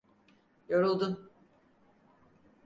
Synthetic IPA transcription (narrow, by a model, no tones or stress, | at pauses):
joɾulˠd̪un